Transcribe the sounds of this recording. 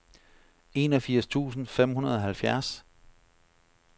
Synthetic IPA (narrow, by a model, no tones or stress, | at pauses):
e̝ːnɒ̽fiɐ̰st͡sʰṵːsn̩fem̰ɦunɐð̞ˠɒ̽ɦælfjæɐs